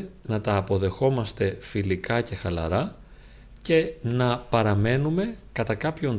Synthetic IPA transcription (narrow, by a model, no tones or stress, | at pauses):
nɐt̪ɐːpo̞ðe̞xo̞mɐst̪e̞filikɐce̞xɐlɐ̰ɾɐ | ce̞nɐpɐɾɐme̞nume̞kɐt̪ɐkɐpço̞n